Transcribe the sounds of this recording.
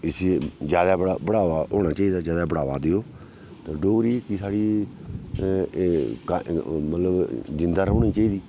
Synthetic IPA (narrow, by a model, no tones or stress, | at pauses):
ɪsed͡ʒjaːd̪aːbəɽabəɽaːʋaːɦoːñaːt͡ʃaːiːd̪aːd͡ʒjaːd̪aːbəɽaːʋaːd̪eoː | t̪ãːɖoːɾiːkisaːɽiː | kamət̪ləbd͡ʒɪ̃nd̪aːɾəːniːt͡ʃaːiːd̪iː